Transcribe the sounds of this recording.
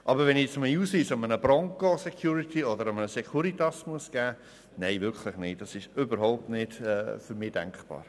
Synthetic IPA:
ʔɑbəɾvɛnjɛt͡sɑməuːsiːsɑmənəbɾɔŋkosekʰjuːɾitʰiɔdəɾamənəsekʰuɾitɑsmuəsɡ̥æː | neɪvʏɾkʰlɪχnɪt̚d̥ɑsɪʃʏbəɾhaʊp̚tnɪd̥ɛːfyɾmɪd̥ɛ̰ŋkχb̥ɑ̰ːɾ

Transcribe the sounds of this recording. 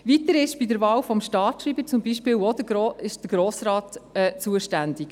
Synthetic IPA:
ʋit̪əɾɪʃb̥idəɾʋɑːwfɔmʃtɑːtʃɾiːbəɾt͡sʊmbiʃpɪːwɔd̪əoɪʃd̥əɾɡ̥ɾoːsɾɑːtɛːt͡suəʃtænd̥̪ɪk

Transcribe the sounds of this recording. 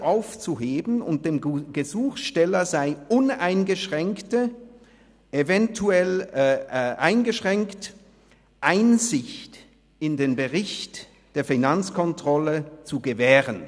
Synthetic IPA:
ʔaʊft͡suɦeːbn̩ʊ̰nt̚d̥eːmɡ̥əzuːxʃtɛlɐzaɪʊnaɪnɡəʃʁɛŋktə | evɛntʰuɛl | ʔaɪnɡəʃʁ̥ɛŋkt | ʔaɪnzɪçt | ɪndeːnbəʁɪçt | d̥eːɐfinant͡skʰɔntʁ̥ɔlət͡suɡəvɛːʁən

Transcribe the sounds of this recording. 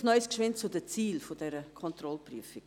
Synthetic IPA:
nœʏskʃʋɪnt͡sʊdət͡siːlfodɛɾəkʰɔnt̪rɔlpryəfɪk

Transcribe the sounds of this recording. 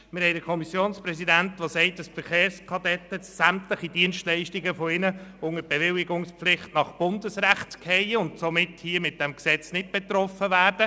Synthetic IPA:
mɪɾɦɛɪdəɾkʰɔmisjoːnsprɛsidæntʋosɛɪtəsfəɾχeːɾskʰɑdɛt̪ːəsæmtləχidiənstlɛɪʃtiɡəfɔɪnəʊŋəɾb̥eʋɪlɪɡʊŋslɪχtnɑχb̥ʊndəsræχtkhɛɪʊntsomɪthiəmɪt̚d̥ɛmksɛt͡snɪt̚b̥et̪rɔfəʋæːrdə

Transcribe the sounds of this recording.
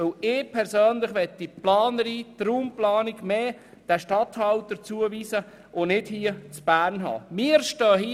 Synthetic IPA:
ɪlɪːpʰɛɾsøːnlɪχʋɛt̚diplɑːnəɾiːtɾuːmplɑːnɪɡmeː | d̥æʃtɑt̪hɑltəɾt͡suəviːsə | ʔonɪthiːət͡sb̥æːɾnɦɑ̰ːmɪɾʃtɑːɦi

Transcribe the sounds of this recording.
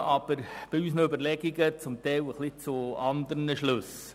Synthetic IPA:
ɑb̥əɾb̥ɪysnøbəɾlɛɡiɡət͡sʊmt̪ɛwəχlɪt͡sʊɑnd̪əɾnəʃlɵs

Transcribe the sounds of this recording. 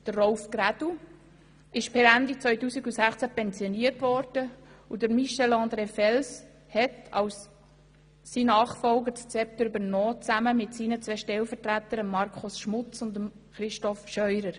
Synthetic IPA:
d̥ərrɔʊfkɾæd̥u | ɪʃpɛɾændit͡sʋœʏtuːsiɡusæχt͡sæpɛnzjɔniəɾtvɔɾd̥əudəɾmiʃɛlɑ̃ːnd̪ɾeːfɛls | hɛtɑwsː | iːnɑːχfɔlɡətt͡sɛp̚t̪əɾybəɾnɔːt͡sæməmɪtsiːnət͡sʋɛʃtɛlfətɾætəɾəmːɑɾkʰχʊsʃmʊt͡sʊndəm | χɾɪʃtɔfʃœʏɾəɾ

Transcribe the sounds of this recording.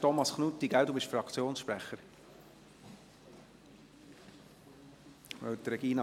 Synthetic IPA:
tɔmɑsχnut̪ːiɡ̥æwd̪ubɪʃfɾɑkt͡sjoːnsʃpɾæχəɾ | ʋœ̰wt̪ɾɛɡiːnɑ

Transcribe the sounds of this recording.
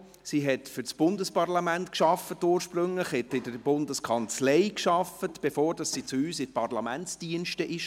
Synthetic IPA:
siːɦɛtfʏɾt͡sb̥ʊndəspɑrlɑmæntkʃɑfətːuːɾʃprɵŋləχhɛtɪdəɾbʊndəskʰɑnt͡sleɪkʃɑfətb̥efoːɾd̥ɑsːit͡suyːsɪtpʰɑrlɑmæntsd̥iənʃtəʔɪʃ

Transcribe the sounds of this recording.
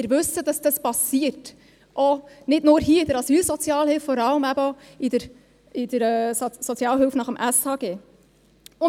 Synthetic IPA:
ɪɾʋɵsəd̥ɑsd̥ɑspɑsiərt | ʔɔnɪdnʊːɾɦiːəidəɾɑsyːlsɔt͡sjɑːlhɪlftfɔɾɑləmæbəɔid̥əɾ | ɪd̥əɾɛsɔt͡sjɑːlɦɪlfnɑχəmʔæshɑːɡ̥eː | ʊ

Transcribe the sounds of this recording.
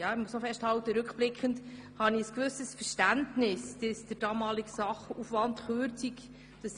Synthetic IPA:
jɑːɪmusnɔfɛʃthɑwtəɾɵkχb̥lɪkχənd | hɑniəskʋʏsəsfəɾʃtæntnɪsd̥ɪsd̥əɾd̥ɑːmɑːliɡəsɑχufʋɑntχøːɾt͡sik | d̥ɑs

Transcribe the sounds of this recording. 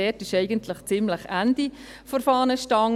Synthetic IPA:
ɛtɪʃɛɪɡəntʰlɪχt͡sɪmləχænd̥i | fɔɾfɑːnəʃtɑŋ

